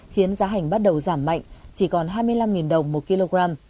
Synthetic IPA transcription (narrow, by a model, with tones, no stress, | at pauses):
xi˨˦ənzaː˨˦ɦa˨˩jŋ̟ɓa˦˥t̚ɗə˨˩wzaː˧˩mːa̰˧˨jŋ̟t͡ɕi˧˩kɔ˨˩nɦaː˧jmɨ˧əjla˧mŋi˨˩nɗə˨˩wŋ͡mmo˨˩t̚ki˧lo˧ɣɹaː˧m